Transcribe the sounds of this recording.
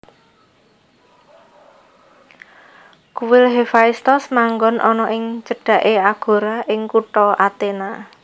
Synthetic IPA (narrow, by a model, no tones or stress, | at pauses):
kuwɪlɦefaist̪ɔsmaŋɡɔnʔɔnɔʔɪŋt͡ʃəɖ̥ä̤ʔeaɡ̥o̤ɾaʔɪŋkuʈɔat̪ena